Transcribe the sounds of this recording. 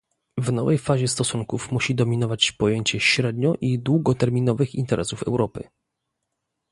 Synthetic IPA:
vnɔvɛjfaʑɛst̪ɔsuŋkufmuɕid̪ɔmʲinɔvat͡ɕpɔjeɲt͡ɕɛɕɾɛd̪̚ɲɔʔid̪wuɡɔt̪ɛɾmʲinɔvɘxint̪ɛɾɛsufɛ̰wɾɔpɘ

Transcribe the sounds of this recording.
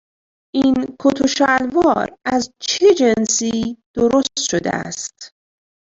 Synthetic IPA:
ʔiːnkʰot̪ʰoʃælvɒːɾæzt͡ʃʰed͡ʒensiːd̪̥oɾost̪ʃod̪ḛæ̰st̪

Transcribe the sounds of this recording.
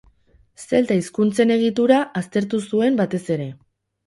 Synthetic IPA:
se̞lt̪aiskunt͡se̞ne̞ɣ̞it̪uɾaʔast̪e̞ɾt̪usue̞mbat̪e̞se̞ɾe̞

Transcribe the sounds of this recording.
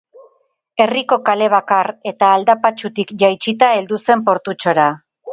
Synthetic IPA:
e̞riko̞kale̞β̞akare̞t̪aːld̪apat͡ʃut̪ikʝajt͡ʃit̪ae̞ld̪use̞mpo̞ɾt̪ut͡ʃo̞ɾa

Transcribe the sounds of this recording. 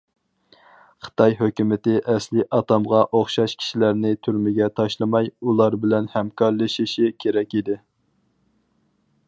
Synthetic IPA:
χə̥t̪ʰɑjɦøkʲymɪt̪ɪʔɛslɪʔɑt̪ɑmʁɑʔoχʃɑʃkʲʰi̥ʃilæɾnɪt̪ʰyɾmɪɡʲɛt̪ʰɑʃlˠɨmɑjulˠɑɾbɪlɛnhɛmkʰɑɾlˠɨʃiʃikʲʰeɾɛkʲid̪ɪ

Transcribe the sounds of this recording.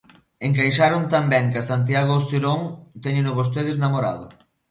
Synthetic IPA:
eŋkajʃaɾʊnt̪ambɛŋkasant̪̬jaɣ̞ʊsiɾoŋt̪ɛɲɪnʊβos̬t̪eð̞ɪznamoɾa̰ðʊ

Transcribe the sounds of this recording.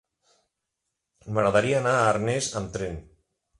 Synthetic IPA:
maɣɾaðaɾiaːnaːɾnezamt̪ɾen

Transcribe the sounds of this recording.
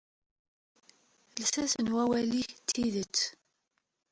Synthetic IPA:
lsæsənwæwæliçt̪ʰːiðət͡sː

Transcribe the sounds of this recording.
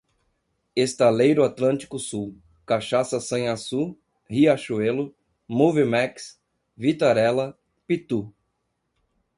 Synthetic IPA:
est̪alejɾʊat̪lɐ̃nt͡ʃi̥kʊsuw | kaʃasɐsɐ̃j̃asu | hiaʃuelʊ | muvimaks | vit̪aɾɛlɐ | pit̪u

